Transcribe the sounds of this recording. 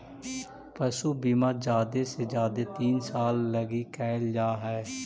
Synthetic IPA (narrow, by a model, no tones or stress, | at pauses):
pəsuːbiːmaːd͡ʒaːd̪eːsed͡ʒaːd̪eːt̪iːnsaːlːəɡiːkɛːld͡ʒaːɦɛː